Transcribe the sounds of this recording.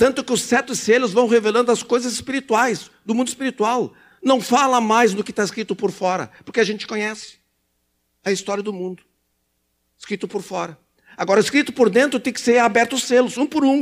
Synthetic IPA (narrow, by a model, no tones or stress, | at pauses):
t̪ɐ̃nt̪ʊkɪʊsɛt̪ʊselʊzvɐ̃w̃ɦevelɐ̃d̪ʊɐskojzɐzɪspiɾit̪uajzd̪ʊmũnd̪ɪspiɾit̪uaw | nɐ̃w̃falɐmajzd̪ʊkɪt̪aɪskɾit̪ʊpʊɾfɔɾɐ̰pʊɾkɪaʒẽnt͡ʃɪ̥kõɲɛsɪ̥ | ɐist̪ɔɾjɐd̪ʊmũnd̪ʊ | ɪskɾit̪ʊpʊɾfɔɾɐ | aɡɔɾɐɪskɾit̪ʊpoɾd̪ẽnt̪ɾʊt̪ẽj̃kɪ̥seɾabɛɾt̪ʊʊsselʊzũpʊɾũ